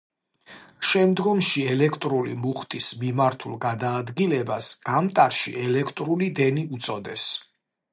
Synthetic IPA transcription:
ʃɛmd̪ɡɔmʃiɛlɛkʰt̪ʼɾulḭmuχt̪ʼismimaɾt̪ʰulˠɡad̪aːd̪ɡilɛbasɡ̥amt̪ʼaɾʃḭɛlɛkʰt̪ʼɾulid̪ɛniut̪sʼɔd̪ɛs

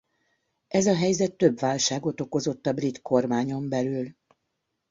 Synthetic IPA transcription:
ʔɛzɒɦɛjzɛt̪ːøbʋaːlʃaːɡo̞t̪o̞ko̞zo̞t̪ːɒbrit̪ko̞rmaːɲo̞mbɛlyl

